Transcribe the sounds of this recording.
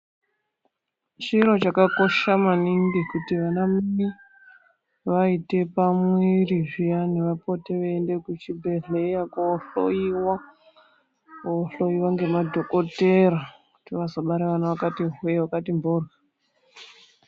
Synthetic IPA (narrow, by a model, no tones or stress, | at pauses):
t͡ʃiɾo̞t͡ʃakako̞ʃamaniŋɡikutiʋanamini | ʋaite̞pamweriʐijane̞ʋapo̞teʋeːnde̞kut͡ʃibʱe̞ɮejakoɬoiwa | koɬoiwaŋɡe̞madʱo̞ko̞te̞ɾakutiʋazoɓaɾeʋanaʋakatiɦujewakatimborɣa